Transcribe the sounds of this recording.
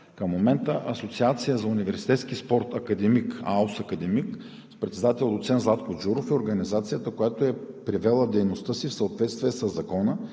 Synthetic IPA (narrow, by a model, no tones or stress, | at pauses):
kəmːomɛnt̪əʔɐsot̪siat̪sijəzɐunivɛɾsi̥t̪ɛt̪sk̟ispɔɾt̪ɐkɐd̪ɛmika̰usɐkɐd̪ɛmik | pɾɛt̪sɛd̪at̪ɛlˠʊt̪sɛnzlˠat̪kod͡ʒuɾofioɾɡɐnizat̪sijət̪əkojat̪oɛpɾivɛlˠəd̪ɛjnost̪əsifsɐot̪vɛt̪st̪viɛsəzːɐkɔnə